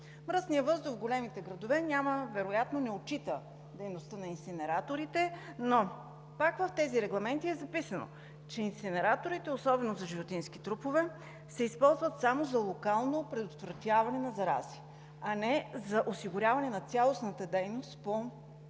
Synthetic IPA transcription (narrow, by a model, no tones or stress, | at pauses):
mɾəsnijəvɤzd̪ofɡolɛmit̪ɛɡɾɐd̪ovɛnʲaməvɛɾojat̪nonɛot͡ʃit̪ə | d̪ɛjnost̪ənɐinsinɛɾat̪oɾit̪ɛno | pakvɐft̪ɛziɾɛɡlˠɐmɛnt̪iɛzɐpisəno̰ | t͡ʃɛinsinɛɾat̪oɾit̪ɛosɔbɛnozɐʒivot̪insk̟it̪ɾupovɛ | sɛispɔlˠzvɐt̪samozɐlˠokalˠnopɾɛd̪ot̪vɾɐt̪javɐnɛnɐzɐɾa̰zi̥ | ɐnɛzɐʔosiɡʊɾʲjavɐnɛnɐt̪sʲalˠosnət̪əd̪ɛjnost̪po